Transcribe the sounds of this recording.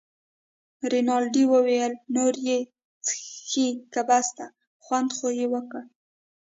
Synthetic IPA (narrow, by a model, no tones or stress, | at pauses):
ɾinɑlɖiwəwejəlnoɾje | t͡sə̥xikabast̪a | xwand̪xojewəkə